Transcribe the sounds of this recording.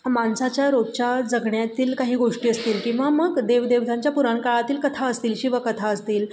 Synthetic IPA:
mansat͡ɕjaɾot͡ɕjad͡zəɡɳjat̪iːlkaɦiːɡoʂʈiːəst̪iːlkĩw̃ʋaməɡd̪eʋd̪eʋt̪ʰaɲt͡ɕjapuɾaɳkaɭat̪iːlkət̪ʰaəst̪iːlɕiʋəkət̪ʰaəst̪iːl

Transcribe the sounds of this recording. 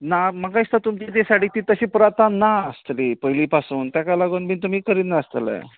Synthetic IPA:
namakãist̪at̪umt͡ɕit̪esaɽiːt̪iːt̪əɕĩpɾat̪anaəst̪lipəjliːpasuːnt̪jakalaɡunbʱiːnt̪̬um̤iːkəɾiːt̪naəst̪ələ̰

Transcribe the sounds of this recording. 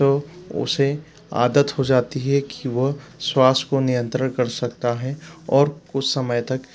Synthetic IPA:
oʊ̰se | a̰ːd̪ət̪ɦod͡ʒaːt̪iɦɛkiʋoɦswaːskonijə̃nt̪ɾənkɐɾsɐk̚t̪aɦɛɔːɾkʊt͡ʃʰsɐməjt̪ɐk

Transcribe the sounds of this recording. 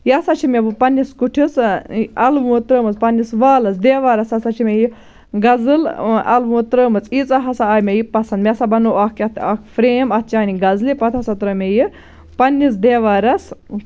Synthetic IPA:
jɐsɐt͡ʃʰimʲebupɐnːiskuʈʰisɐlʋɐt̪ɾəːmɨspɐnʲːisʋaːlɐsd̪eːʋaːɾɐsɐsɐt͡ʃʰimʲeji | ɡɐzɨlɐ̰lʋut̪ɾəːmɨt͡sit͡sɐɦɐsaːjmʲejipɐsɐnd̪mʲesabɐnoɐkɐt̪ʰɐkʰfɾeːmɐt̪̚ʰt͡ʃaːniɡɐzlipɐt̪ʰɐsɐt̪ɾəːmʲeji | pɐnːis̬d̪eːʋaːɾɐs

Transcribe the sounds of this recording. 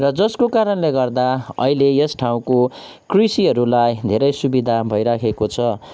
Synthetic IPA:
rʌd͡zʌskokaɾʌnleɡʌrd̪aʌ̰ilejʌsʈʰaw̃ko | krisiɦʌɾulajd̪ʱeɾʌjsubid̪ʱabʱʌjɾakʰekot͡sʰʌ

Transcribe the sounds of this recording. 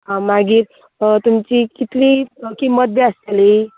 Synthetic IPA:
amaɡiːɾ | t̪umt͡ɕikit̪likiməd̪̚beast̪eli

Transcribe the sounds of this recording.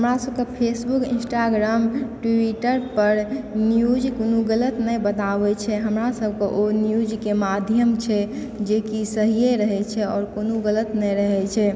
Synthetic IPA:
ɦɦəmɾasəb̚kepʰesbukḭ̃nsʈaɡɾamʈiʈəɾpəɾnjud͡ʒkonuɡələt̪nɛjbət̪abɛt͡ʃʰɛɦəmɾasəb̚ʱkeʔonjud͡ʒkemad̪ʱjəmt͡ʃʰɛ | d͡ʒekisəɦijeɾəɦɛt͡ʃʰɛɔːɾkonuɡələt̪nɛjɾəɦɛt͡ʃʰɛ

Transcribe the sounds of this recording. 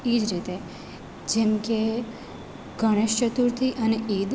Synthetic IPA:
id͡ʒɾit̪e | d͡ʒemke | ɡʱəɽ̃eʃt͡ʃət̪uɾt̪ʰiʔəneʔid̪

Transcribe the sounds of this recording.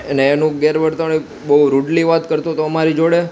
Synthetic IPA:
əneːnũɡeɾʋəɾt̪aɭ̃e | bəɦuɾuɖliʋat̪kəɾt̪õt̪oəmaɾid͡ʒoɽe

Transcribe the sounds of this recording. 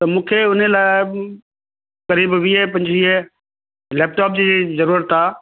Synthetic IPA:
t̪ɐmũːkʰeʊnəlaːɪ | kɐɾiːbʋiep̬ɐ̃ɲd͡ʑiɦe | leːp̚ʈaːp̚d͡ʑiːzɐɾuːɾət̪ʰːaː

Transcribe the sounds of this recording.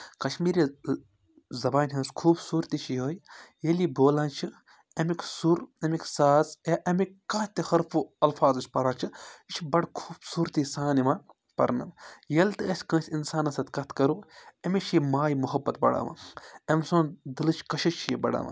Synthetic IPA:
kɐʃmiːɾi | zɐbaːnʲɦɐ̃ːskʰuːbsuːɾt̪it͡ʃʰioːjjɐliboːlãːnt͡ʃʰi | ɐmiksuɾɐmiksaːzaʔɐmikkat̪t̪ihɐɾfuɐlfaːzɐt͡ʃʲpɐɾaːt͡ʃʰɨit͡ʃʰbɐɽkʰuːbsuːɾt̪isaːnimaː | pɐ̰ɾnɐ̰mjɐlt̪ɨɐsʲkɐ̃ːsʲinsaːnɐsɐt̪kɐt̪ʰkɐɾuɐmit͡ʃʰimaːjimuɦɐbːɐt̪̚bɐ̰ɽa̰ːma̰ɐmʲsoːnd̪ɨlɨt͡ʃʰkɐʃɐt͡ʃʰibɐ̰ɽa̰ːma̰ː

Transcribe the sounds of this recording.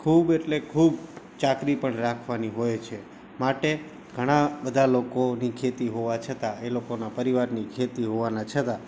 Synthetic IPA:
kʰubeʈlekʰubt͡ʃakɾipəɳɾakʰʋaniɦojt͡ʃʰe | maʈe | ɡʱəɽ̃abəd̪ʱalokonikʰet̪iɦoʋat͡ʃʰət̪aelokonapəɾiʋaɾnikʰet̪iɦoʋanat͡ʃʰət̪a

